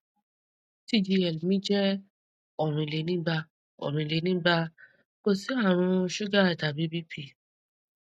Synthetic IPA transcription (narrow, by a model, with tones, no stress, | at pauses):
ti˦˨d͡ʒi˧ɛ˨lmĩ˦d͡ʒɛ˦ | ɔ˨ɾ̃ĩ˧˨le˨nĩ˦ba˧ | ɔ̰˨ɾ̃ĩ˨˧˨le˨nĩ˦ba˧ | ko˦˨si˨˦a˦˨ɾ̃ũ˧ʃu˦ɡa˦˨da˨bi˨˦bi˦pʰi˧˨